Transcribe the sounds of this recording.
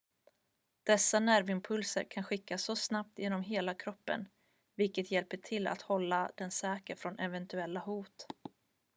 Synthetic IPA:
d̪̥ɛsːanæɾvɪmpʰɵlsə̰ɾkʰanɧɪkːasːɔsnap̚t̪jeːnɔmɦeːlakʰɾɔpːə̰n | vɪlkət̪jɛlpəʈʰɪlːa̰t̪hɔlːad̪̥ɛnsɛːkəɾfɾɔnʔɛvɛnt̪ɵɛlːahuːt̪

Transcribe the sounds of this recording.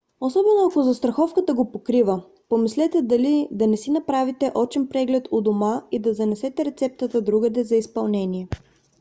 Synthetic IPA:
osɔbɛnoɐkozɐst̪ɾɐxɔfkət̪əɡopokɾivə | pomislɛt̪ɛd̪ɐlid̪ɐnɛsinɐpɾavit̪ɛʔɔt͡ʃɛnpɾɛɡlɛt̪od̪omaid̪ɐzɐnɛsɛt̪ɛɾɛt̪sɛp̚t̪ət̪əd̪ɾuɡəd̪ɛzɐispɐlˠnɛnʲiɛ

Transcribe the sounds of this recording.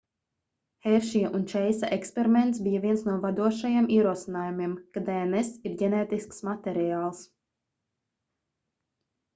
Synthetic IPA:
hɛɾʃiʔunt͡ʃɛjsa̰ʔɛkspeɾimɛnt̪s̬bijavʲiɛnsnuɔvad̪uɔʃajemiɛɾuɔsinaːjumiɛmkad̪ɛenɛsiɾɟɛnɛːt̪isksmat̪ɛɾiaːlˠs

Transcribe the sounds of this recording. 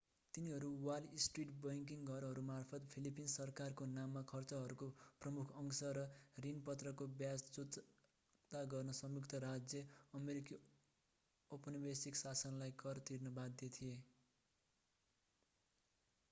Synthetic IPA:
t̪iniɦʌɾuwalisʈriʈbʌjŋkiŋɡʱʌɾɦʌɾumarpʰʌt̪pʰilipinsʌrkarkonamːakʰʌrt͡sʌɦʌɾukoprʌmukʰʌŋsʌɾʌrinpʌt̪rʌkobjast͡sut | t̪aɡʌrnʌsʌmjukt̪ʌɾad͡zjʌʌmeɾiki | opʌnibesiksasʌnlajkʌrt̪irnʌbad̪ʱjet̪ʰije

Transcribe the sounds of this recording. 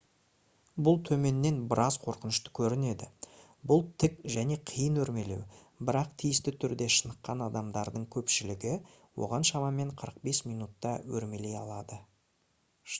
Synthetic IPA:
bʊlˠt̪ʰɵme̞nːe̞nbɪɾʔɑzqʰo̞ɾqənəʃt̪ə̥kʲʰɵɾɪne̞d̪ɪ | bʊlˠt̪ʰɪkʒæne̞qʰijənwɵɾme̞le̞w | bɪɾɑq̚t̪ʰijɪst̪ɪt̪ʰʏɾd̪e̞ʃənəqːɑnɑd̪ɑmd̪ɑɾd̪əɴkʲʰɵpʃɪlɪɡʲɪ | wo̞̰ʁɑnʃɑmɑme̞ɴqʰəɾəq̚be̞smijnut̪ːɑwɵɾme̞le̞jɑ̰lˠɑd̪ə

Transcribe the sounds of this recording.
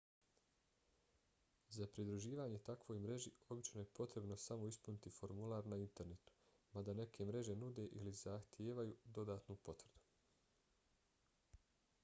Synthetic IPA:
zapɾid̪ɾuʒiːʋaːɲe̞t̪akʋo̞jmɾe̞ʒio̞bit͡ʃno̞je̞po̞t̪ɾe̞bno̞samo̞ispunit̪ifo̞ɾmulˠaːɾnaint̪e̞ɾne̞t̪u̥ | mad̪ane̞kʰe̞mɾe̞ʒe̞nud̪e̞ʔiliz̥axt̪jeːʋajud̪o̞d̪aːt̪nupo̞t̪ʋrɾd̪u̥

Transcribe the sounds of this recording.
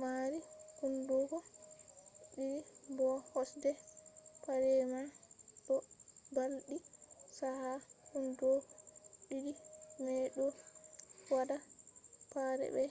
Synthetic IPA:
maɾikundukɔ | ɗiɾibɔhɔsdɛpaɾɛmaɗɔbalɗisahahundɔɓiɾimɛɗɔ | wadapaɾɛ̰bɛ

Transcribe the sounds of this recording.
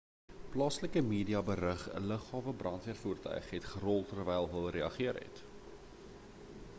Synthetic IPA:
plɑːsləkəmiːdiɑbərəχə̰ləχɑːvəbrɐntviərfuːrtœ̰ɥχɦɛtχərɔlˠtərvɛjlˠɦəlˠreɐχiərɛ̰t

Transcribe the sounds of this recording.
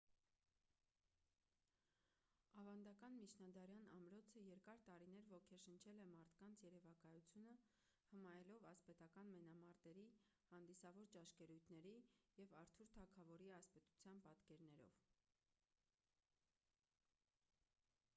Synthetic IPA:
ɑvɑnd̪ɑkɑnmit͡ʃʰnɑd̪ɑɾjɑnɑmɾɔt͡sʰəjɛɾkɑɾt̪ɑɾinɛɾvɔkʰɛɾʃənt͡ʃʰɛlɛmɑɾt̪ʰkɑnt͡sʰjɛɾɛvɑkɑjut͡sʰjunə | həmɑjɛlɔvɑspɛt̪ɑkɑnmɛnɑmɑɾt̪ɛɾi | hɑnd̪isɑvɔɾt͡ʃɑʃkɛɾujt̪ʰnɛɾijɛvɑɾt̪ʰuɾt̪ʰɑkʰɑvɔɾiɑspɛt̪u̥t͡sʰjɑnpɑt̪kɛɾnɛɾɔ̰v

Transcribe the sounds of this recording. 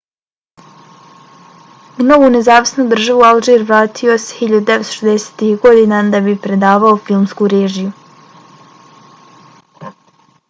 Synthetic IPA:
uno̞ʋune̞zaːʋisnud̪r̩ʒaʋualˠʒeːɾʋɾaːt̪ʰio̞sehiʎad̪ud̪eʋe̞t̪o̥ʃed̪ese̥ːt̪ihɡo̞d̪iːnad̪abipɾe̞d̪aːʋao̞filˠmskuɾe̞ːʒiju

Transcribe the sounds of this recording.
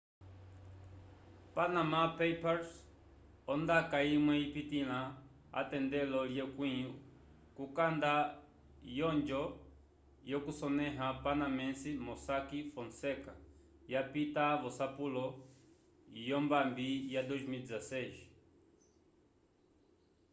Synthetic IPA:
panamapɛpaɾs | ɔndakaimwɛipitila | a̰tɛndɛlɔljɛkwi | kukanda | jɔnd͡ʒɔ | jɔkusɔnɛɦapanamɛnsimɔsakifɔnsɛka | japitaβɔsapulɔ | jɔmbambijadɔʒimid͡zasɛʒi

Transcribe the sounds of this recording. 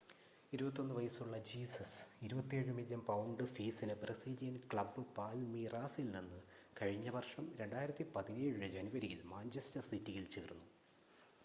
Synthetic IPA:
iɾubɐt̪̬ːo̞nːɨʋɐjɐsuɭːɐd͡ʑiːsɐsiɾubɐt̪ːieːɻɨmiljɐmpɐwuɳɖɨfiːsinɨprɐsiːlijɐnkɭɐbːɨpaːlmiraːsilninːɨkɐɻiɲːɐʋɐrʂɐmɾe̞ɳɖaːjiɾɐt̪ːipɐðineːɻɨd͡ʑɐnuʋɐɾijilmaːnt͡ɕestɐrsitːijilt͡ɕeːrunːu

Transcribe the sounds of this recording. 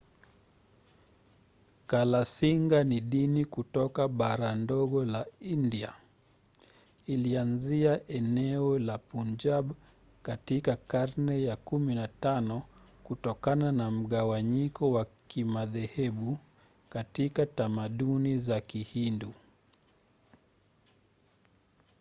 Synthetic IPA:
kalasiŋɡaniɗinikutɔkaɓaɾandɔɠɔlaindia | ilianziaʔɛnɛɔlapund͡ʒaɓ | katikakaɾnɛjakuminatanɔ | kutɔkananam̩ɠawaɲikɔwakimaðɛhɛɓu | katikatamaɗunizakihindu

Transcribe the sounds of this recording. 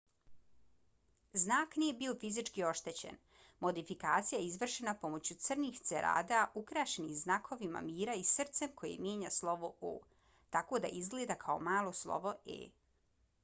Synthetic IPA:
znaːknije̞bio̞fizit͡ʃkio̞ʃt̪e̞t͡ɕḛn | mo̞d̪ifikaːt̪sijajeizʋr̩ʃenapo̞mo̞t͡ɕut̪sr̩nixt̪seɾʔa̰ːd̪aʔukɾaːʃenixznakʰo̞ʋima̰miːɾaisr̩t̪se̞mkʰo̞jḛmje̞ːɲaslˠo̞ʋoo̰ː | t̪ako̞d̪a̰ʔizɡled̪akʰao̰maːlˠo̞slˠo̞̰ʋo̞ḛː

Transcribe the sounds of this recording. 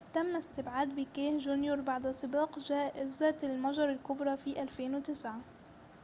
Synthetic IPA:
t̪amːaɪst̪ɪbʕaːd̪bɪkeːhʒʊnjuɾˤbaʕd̪asˤɨbɑːqʒaːʔɪzat̪ɪlmaʒɑɾˤɪlkʊbɾˤɑfiːʔalfeːnwɪt̪ɪsʕa

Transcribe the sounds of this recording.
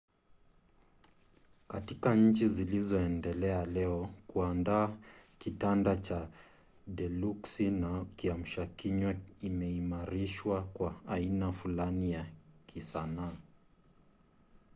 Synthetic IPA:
katikaɲ̩t͡ʃizilizɔɛndɛlɛalɛɔkuandaːkitandat͡ʃa | dɛluksinakiam̩ʃakiɲwaimɛimaɾiʃwakwaːinafulanijakʰisanaː

